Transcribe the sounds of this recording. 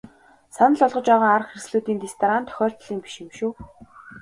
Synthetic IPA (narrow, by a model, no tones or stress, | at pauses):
sanə̆ɮɔɮʁɞ̆t͡ɕpæːʁaːŋarə̆χxersɮuːt̪iːnt̪est̪ʰaɾant̪ʰœ̥xʲɔːr̥t̪ɮiːmpi̥ʃemʃuː